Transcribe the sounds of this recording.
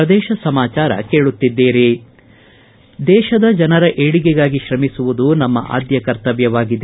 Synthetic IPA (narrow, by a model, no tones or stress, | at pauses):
ɐd̪ɛːʃɐsɐmaːt͡ʃaːɾɐ̰ke̞ːɭut̪ːid̪ːeːɾe | d̪ɛːʃɐd̪ɐd͡ʒɐnɐɾɐʔeːɽiɡɛɡaːɡiʃɾɐmisuʋud̪unɐmːɐʔa̰ːd̪jɐkɐɾt̪ɐʋjɐʋaːɡid̪e